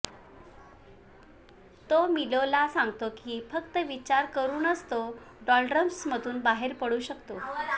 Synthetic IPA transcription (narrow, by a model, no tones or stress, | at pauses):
t̪omilolasãŋɡt̪okiːfəkt̪əʋit͡ɕaɾkəɾuːnəst̪o | ɖɔlʈɖɾəmsmət̪uːnbaɦeɾpəɽuːɕəkt̪o